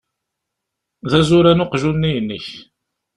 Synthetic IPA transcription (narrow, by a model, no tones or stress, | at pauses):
ðæzʊɾænʊqʒunːijənːəç